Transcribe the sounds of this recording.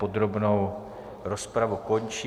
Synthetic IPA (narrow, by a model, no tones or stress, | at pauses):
o̞d̪ɾo̞bnow | ɾospɾavuko̞nt͡ʃi